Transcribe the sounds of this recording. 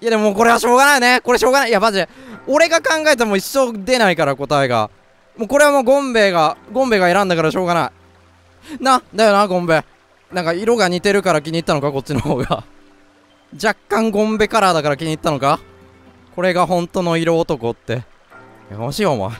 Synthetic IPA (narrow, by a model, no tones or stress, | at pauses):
jad̪emmoːko̞ɾe̞βaɕo̞ːɡanaine̞ko̞ɾe̞ɕo̞ːɡanaijamaʑeo̞ɾe̞ɡakãŋɡae̞t̪emo̞iɕːo̞d̪e̞naikaɾako̞t̪aeɡa̰ | moːko̞ɾe̞βamoːɡõ̞mbe̞ːɡaɡõ̞mbe̞ɡae̞ɾãnd̪akaɾaɕo̞ːɡanai | nad̪ajonaɡõ̞mbe̞ | nãŋkaiɾo̞ɡaɲ̟it̪e̞ɾɯ̟kaɾakʲiɲ̟iːt̪ːano̞kako̞t̚t͡ɕːinoho̞ːɡa̰ | d͡ʑakːãŋɡõ̞mbe̞kaɾad̪akaɾakʲiɲ̟iːt̪ːano̞ka | ko̞ɾe̞ɡaɦõ̞nt̪o̞no̞iɾo̞ːt̪o̞ko̞t̪ːe̞ | ja̰amaɕiːoma̰